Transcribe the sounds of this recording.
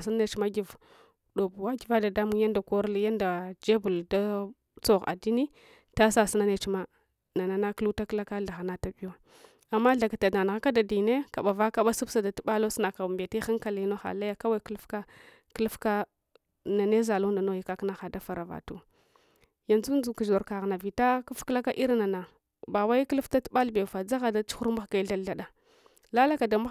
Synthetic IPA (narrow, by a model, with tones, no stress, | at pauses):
si˦na˦ne˨t͡ʃma˦ɡi˨v | do˨bu˨wa˦ɡi˨va˦da˨da˦mu˦ŋja˦nda˨ko˦ɾlja˦nda˨d͡ʒe˦bu˨lda˦ | t͡so˦˨ɣa̰˨di˦ni˦ | ta˦sa˦si˦na˦ne˨t͡ʃma˦ | na˨na˨na˦ku˦ta˦kla˦ka˦ɬa˨ɣa˨na˦ta˦bi˦jo˦ | a˨mːa˦ɬa˨ka˨ta˨da˨n˨ɣa˦ka˦da˨di˨ne˦ka˨ɓa˨va˦ka˦ɓa˦su˦bsa˨da˨ti˦ɓa˦lo˦sna˨ka˨u˨mbe˨te˦xa˦ŋka˨li˨˦no˦xa̰˨la˦ja˦ka˦wa˦˨klu˦fka˦ | klfka˦ | na˨ne˦za˨lo˦nda˨no˦ji˨ka˦kna˦xa˨da˦fa˨ɾa˨va̰˨tu˦ | ja˨nzu˦n˦d͡zu˨ku˨ʒo˨ɾka˨ɣna˨vi˨ta˦kə˦fkla˦ka˦ʔi˦ɾna˨na˨ | ba˨wa˦i˦klu˦fta˦tu̥˦ɓa˦lbe˨fa˨d͡za˦ɣa˨da˨t͡ʃu̥˦xu˦ɾma˦xɡa˨i˦ɮa˦lɬa˦˨ɗa˨ | la˦la˦ka˨da˨ma˦